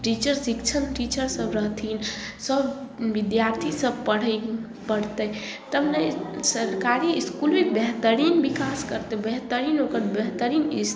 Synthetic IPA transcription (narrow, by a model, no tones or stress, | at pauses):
ʈit͡ʃəɾsikt͡ʃʰənʈit͡ʃəɾsəbɾəɦt̪ʰinsəbʋid̪jaɾt̪ʰisəb̚pəɽə | pəɽt̪ə | t̪əmnəsəɾkaɾiiskulʋekbɛɦt̪əɾinbikaskəɾt̪əbɛɦt̪əɾinokəɾbɛɦt̪əɾinis